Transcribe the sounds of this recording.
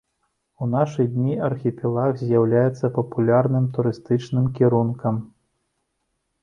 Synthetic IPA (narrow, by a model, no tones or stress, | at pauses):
unaʂɨjd̪ʲnʲiɐrxʲipʲɛlˠaɣzʲjawlʲajɛt̪sːɐpɐpulʲarnɨmt̪uɾɨst̪ɨt͡ʂnɨmkʲiɾunkɐm